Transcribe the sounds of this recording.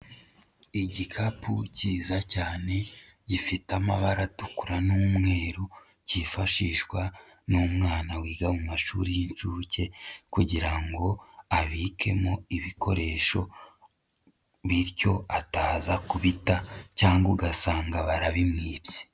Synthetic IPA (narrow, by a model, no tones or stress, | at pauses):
iɟikʰapʰuciːzacaːne̞ | ɟifitamaβaɾatukuɾanuːmŋe̞ːɾu | ɟifaʃiʃkwa | numŋaːnawiːɡamumaʃuɾijint͡ʃuːce̞kuɟiɾaŋɡo̞aβiːkʰe̞mo̞iβiko̞ɾe̞ʃo̞ | βiɾɟo̞ataːzakuβitacaːŋɡuɡasaːŋɡaβaɾaβimŋiːbje